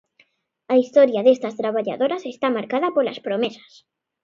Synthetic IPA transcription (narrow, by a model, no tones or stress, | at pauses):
aist̪ɔɾjaðest̪ɐst̪ɾaβ̞aʎa̰ðoɾasest̪amaɾkaðɐpola̰spɾomesḁs